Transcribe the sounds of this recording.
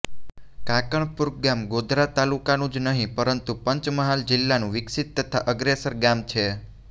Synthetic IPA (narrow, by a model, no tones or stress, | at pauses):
kakəɳpuɾkɡamɡod̪ʱɾat̪alukanũd͡ʒnəɦĩpəɾənt̪upəɲt͡ʃməɦald͡ʒɪlːanũʋɪksit̪ːət̪ʰaʔəɡɾesəɾɡamt͡ʃʰe